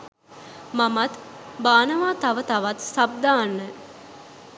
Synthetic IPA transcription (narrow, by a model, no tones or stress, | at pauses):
mamat̪baːnəʋaːt̪aʋət̪aʋat̪sab̚d̪aːnːə